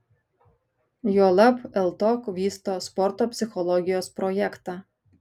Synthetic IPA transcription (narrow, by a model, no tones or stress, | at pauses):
joːlˠɐpɛlˠt̪oːkʋʲiːst̪oːspɔɾt̪oːpʲsʲɪxɔlˠɔɡʲɪjoːspɾɔjɛkt̪ɑː